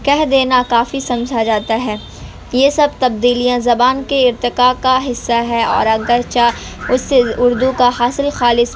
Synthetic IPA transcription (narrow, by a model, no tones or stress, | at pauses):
kɛɦd̪eːnakaːfisɐ̃md͡ʒʱad͡ʒaːt̪aɦɛː | jeːsɐbt̪ɐb̚d̪iːlijãzɐbaːnkeɪɾt̪ɪkaːkaɦɪsːaɦɛɔ̰ːɾɐɡəɾt͡ʃa | ʊsːeʊɾd̪ukaɦaːsɪlxaːlɪs